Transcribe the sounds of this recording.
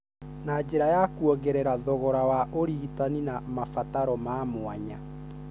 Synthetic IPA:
nad͡ʑeɾajakuɔɣeɾɛɾaðɔɣɔɾawaʔoɾiitaninamafataɾɔmamoaɲa

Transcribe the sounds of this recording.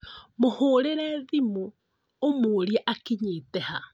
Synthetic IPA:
mohoːɾeɾɛðimoː | moɾjɛʔakiɲetɛha

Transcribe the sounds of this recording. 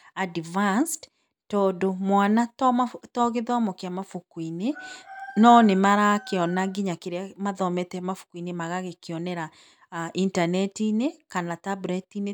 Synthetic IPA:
adivanst | tɔːdomwanatɔmatɔɣeðɔmɔkeamafukwinenɔnemaɾakeɔnaɡiɲakeɾeamaðɔmɛtɛmafu̥kwinemaɣaɣekeɔnɛɾa | ʔintanɛtinekanatabuɾɛtine

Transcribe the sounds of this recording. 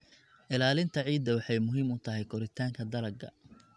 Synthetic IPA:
ʔɪlaːlɪnt̪ʰɐʕiːd̪ːɐwɑħɑjmʊɦiːmʊt̪ʰɐɦɛjkʰɔɾɪt̪ʰaːŋkʰɐd̪ɐlɐɡɐ̰

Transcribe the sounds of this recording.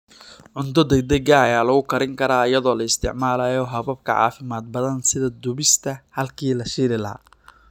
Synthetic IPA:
ʕʊnt̪ɔd̪ɛɡ̚d̪ɛɡɐɐjaːlɐɣʊkʰɐɾɪŋkʰɐɾaːjɐðɔːlɐɪst̪ʰɪ̰ʕmaːlaːjɔɦɐβɐb̚kʰɐʕɑ̰ːfɪmaːd̪̚bɐðɐnsɪðɐd̪ʊβɪst̪ʰɐhɐlkʰiːlɐʃiːɾɪlɐɦa̰ː

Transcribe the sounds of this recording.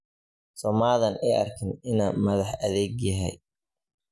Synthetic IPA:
sɔmaːðɐnʔɛjʔɐ̰rkʰɪnɪnaːnmɐðɐħɐðɛːɡjɐɦɛ̰j

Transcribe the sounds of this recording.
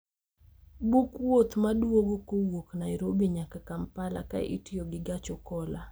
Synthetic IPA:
bukwot̪madwoɡokowoknaɪɾobiɲakakampala̰ka̰ʔḭtioɡɪɡat͡ʃɔkɔla

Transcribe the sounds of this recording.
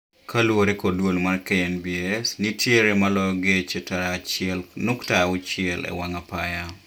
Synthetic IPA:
kʰalwoɾekodwolmarkeɛnbiɛsnitjeɾemalɔjɔɡet͡ʃetaat͡ʃɪɛlnuktaʊt͡ʃɪɛlɛ̰waŋapaja

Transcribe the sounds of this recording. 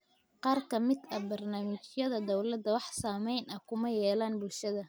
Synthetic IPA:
qɑːrkʰɐmɪd̪ɐbɐrnaːmɪt͡ʃjɐðɐd̪ɔwlɐd̪ɐwɑħsaːmɛjnɐkʰʊmɐjɛːlaːnbʊlʃɐðɐ

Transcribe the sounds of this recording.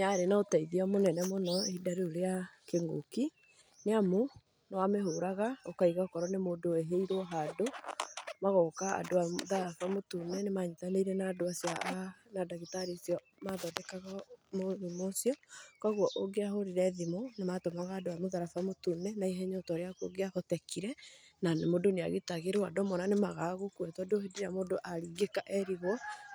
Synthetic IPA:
naɾenaotaiðiamonɛnɛmonɔeidaɾioɾeakeŋɡo̰ki | neamo | nawameɦoɾaɣaokaiɣaokɔɾɔnemoːdoeɦeiɾɔɦado | maɣɔkaa̰doaoðaɾafamotunɛnemaɲitaneiɾɛnaːdoasjanadaɣitaɾisjɔ | maðɔdɛkaɣamoðimosiɔkɔɣwɔʔoɡeaɦoɾiɾɛðimonematomaɣaːdoamoðaɾafamotunɛnaiɦɛɲɔtɔɾeako̰ɡeahɔtɛkʰiɾɛnanemodonea̰ɣetaɣeɾowadɔmɔnanemaɣaɣokwɛtɔdohedeɾamodoʔaɾiɡekaʔɛɾiɣwɔ

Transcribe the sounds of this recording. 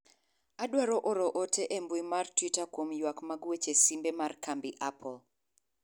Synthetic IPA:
adwaɾɔʔoɾɔʔotʰeʔembwimartwitakwomjwakmaɡwet͡ʃesimbemarkambiʔapʰɔl

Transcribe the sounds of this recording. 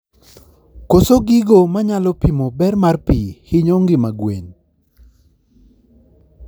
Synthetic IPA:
kosoɡiɡomaɲalɔpimobɛrmarpihɪɲoŋɡɪmaɡwḛn

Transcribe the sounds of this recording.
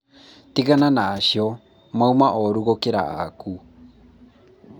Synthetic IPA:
t̪iɣananaːʃio | maumaʔoɾuɣokeɾa̰a̰ku

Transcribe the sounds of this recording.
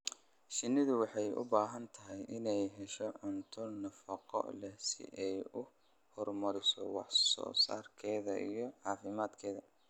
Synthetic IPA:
ʃɪnɪðʊwɑħɑjʊ̰baːɦɐnt̪ʰɐɦɪjʔɪnɛjɦɛʃɔʕʊnt̪ʰʊnɐfɐqɔ̰lɛsɪ̰ʔɛjʊ | hɔrmɐɾɪsɔ̰wɑ̰ħsɔ̰ːsa̰ːrkʰɛːðɐ̰ʔḭjɞʕɑːfɪmaːd̪kʰɛːðɐ

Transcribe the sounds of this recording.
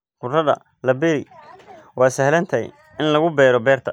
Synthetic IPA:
qʊrɐðɐ̰ | lɐbɛɾɪ | wɑːsɐhlɐnt̪ʰɐj̰ | ɪnlɐɣʊbɛːɾɔbɛːrt̪ʰɐ

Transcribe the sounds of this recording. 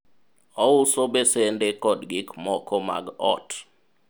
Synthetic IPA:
ɔusobesendekɔdɡikmɔkɔma̰ɡɔ̰t

